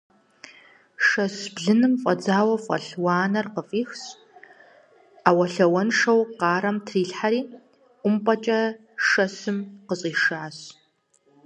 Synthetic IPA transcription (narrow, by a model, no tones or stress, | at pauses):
ʂɐsbɮɨnɨmfʼɐd͡zaːwɐfʼɐ̰ɬwɑːnɐrqəfʼiːxs | aːwɐɬɐwɐnʂɐwqɑːɾɐmtʰriːɬħaɾiː | ʊmpʼɐt͡ʃʼɐ | ʂɐsɨmqəsʼiːʂaas